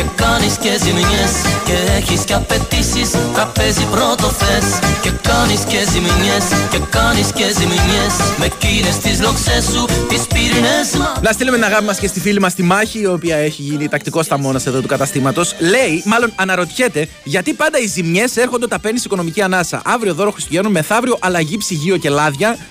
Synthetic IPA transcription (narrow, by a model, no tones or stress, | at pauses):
ekɐniscezimɲesceeçisceɐpe̞t̪isist̪ɾɐpe̞zipɾo̞t̪ofesce̞kɐniscezimɲesce̞kɐniscezimɲesmecinest̪izloksesːut̪ispiɾineznɐst̪ilumenɐɣɐpimɐscest̪ifilimɐst̪imɐçiːo̞piɐe̞çiʝinit̪ɐk̚t̪iko̞st̪ɐmo̞nɐse̞ðo̞t̪ukɐt̪ɐst̪imɐt̪o̞sle̞imɐlo̞nɐnɐɾo̞t̪çe̞t̪e̞ | ʝɐt̪ipɐnd̪ɐizimɲe̞se̞ɾxond̪ot̪ɐpe̞nisiko̞nomiciɐnɐsɐ̰ʔɐvɾio̞ðo̞ɾoxɾist̪uʝenonme̞θɐvɾio̞ʔɐlɐʝipsiʝio̞ce̞lɐðʝɐ